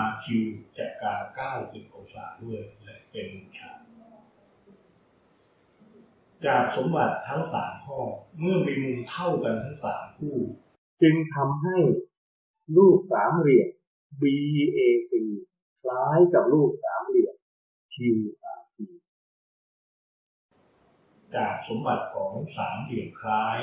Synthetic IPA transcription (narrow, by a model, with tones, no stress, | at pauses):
a˧t͡ɕʰi˧wt͡ɕaː˨˩kkaː˧kaː˥˩wsi˨˩t̪̚ʔɔ˧˩sa̰ː˩˦mdu˥˩əjlɛ˦˥pe˧nmu˧ŋt͡ɕʰaː˧˩ | t͡ɕaː˨˩k̚so˩˦mba˨˩t̪ʰːa˦˥ŋsa̰ː˩˦mkʰɔː˥˩mɯ˥˩ɐmi˧mu˧ŋt̪ʰa˥˩wka˧nt̪ʰa˦˥ŋsa̰ː˩˦mkʰuː˥˩ | t͡ɕɯ˧ŋt̪ʰa˧mɦa˥˩j | luː˥˩k̚saː˩˦mɾi˨˩ək̚ | biː˧ʔeː˧ʔi˧˩ | kʰlaː˦˥jkaː˨˩p̚luː˥˩k̚saː˩˦mɾi˨˩ək̚ | kʰiː˧wsa̰ː˩˦msiː˧ | t͡ɕaː˨˩k̚so˩˦mba˨˩t̪̚kʰɔː˩˦ŋsaː˩˦mɾi˨˩əp̚kʰlaː˦˥j